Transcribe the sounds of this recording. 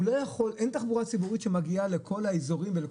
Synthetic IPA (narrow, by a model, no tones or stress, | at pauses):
lojaχo̞lʔent̪aχbuʁat͡sibuʁit̪ʃemaɡiale̞kʰo̞laezoʁimvele